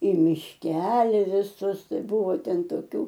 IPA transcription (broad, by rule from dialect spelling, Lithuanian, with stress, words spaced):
ɪ mʲɪʃʲˈkʲæːlʲɪ ʋʲɪˈsʊs ˈtɐɪ ˈbʊʋoː ˈtʲɛn toːˈkʲuː